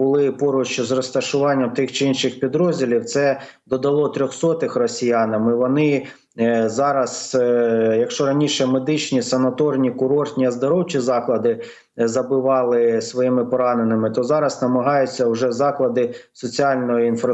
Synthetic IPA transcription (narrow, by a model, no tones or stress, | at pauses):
bʊlˠɪpɔɾʊt͡ʃʊzrɔst̪ɐʃʊʋɑnʲːɐmt̪ɪxt͡ʃɪinʃɪxpʲid̪ɾɔzʲdʲilʲiwt̪sɛ | d̪ɔd̪ɐlˠɔt̪ɾʲɔxsɔt̪ɪxrɔsʲijɑnɐmɪʋɔnɪ | zɑɾɐs | jɐkʃt͡ʃɔɾɐnʲiʃɛmed̪ɪt͡ʃnʲisɐnɐt̪ɔrnʲikʊɾɔrt̪ʲnʲiɐzd̪ɐɾɔwt͡ʃizɑklˠɐd̪ɪ | zɐbɪʋɑlˠɪsʋɔjimɪpɔɾɑnenɪmɪt̪ɔzɑɾɐznɐmɐɦɑjʊt͡sʲːɐwʒɛzɑklˠɐd̪ɪsɔt͡sʲiɑlʲnɔjʊinf